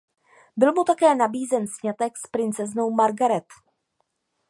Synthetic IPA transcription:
bɪlmut̪akɛːnabiːzɛnsɲat̪ɛkspɾɪnt͡sɛznowmaɾɡaɾɛt̪

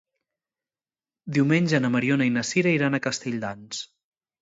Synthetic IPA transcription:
d̪iwmenʲʒənəməɾionəinəsiɾəiɾanəkəst̪eʎd̪ans

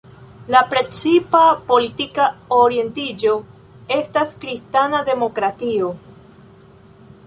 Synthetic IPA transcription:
lapɾe̞t͡sipapo̞litikaoɾie̞ntid͡ʒo̞ | e̞staskɾistanade̞mo̞kɾatio

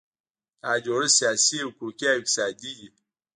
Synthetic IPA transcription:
ad͡ʒoɾisiasiekukʲiaksadiji

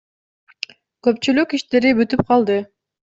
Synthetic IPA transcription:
kɵ̞p̚t͡ʃylykiʃt̪e̞ɾibyt̪yp̚qʰɑlˠd̪ɯ

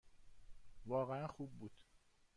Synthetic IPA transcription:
vɒːɣeænxuːbːuːd̪̥

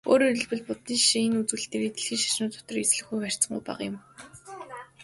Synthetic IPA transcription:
o̰ːɾiɵ̆ɮpɘ̆ɮpʊt̪niːʃiŋenut͡suːɬt̪eːɾeːt̪eɮxiːŋʃḁʃnʊːt̪ʰʊ̥t̪ɞ̆resɮɘ̆xɡujxær̥ʲt͡sə̆ɴɡṵjpa̰ʁjʊ̰̆m

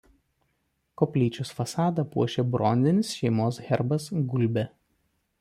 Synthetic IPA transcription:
kɔːpʲlʲiːt͡ʃʲʊsfɐsɑːd̪ɐpuɔʃʲebɾɔˑnʲd̪ʲɪnʲɪsʃʲɛɪmoːsɣʲɛɾbɐsɡʊlʲˑbʲɛ

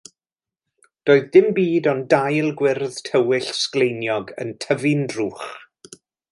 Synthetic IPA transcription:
d̥oːɨðdɪmbiːdɔndajlˠɡwɪrðtʰəwɪɬsklejnjɔɡə̰ntʰəvɨndruːχ

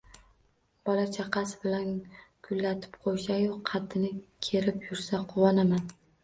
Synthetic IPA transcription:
b̥ɒlat͡ʃʰaqʰɑsbɪlankʰʊlːat̪ʰɪ̥p̚qʰojʃajoqːʰɑd̪ːɪnɪkʲʰe̞ɾɪpjʊɾsaqʰʊwɒnaman

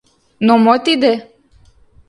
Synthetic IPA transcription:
nɔmɔt̪id̪ɛ

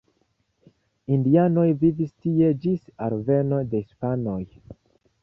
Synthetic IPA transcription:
indiano̞jvivistie̞d͡ʒisaɾve̞no̞de̞hispano̞j

